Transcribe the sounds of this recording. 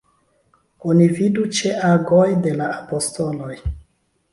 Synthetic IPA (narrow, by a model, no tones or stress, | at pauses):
onividut͡ʃeʔaɡojde̞laapo̞sto̞lo̞j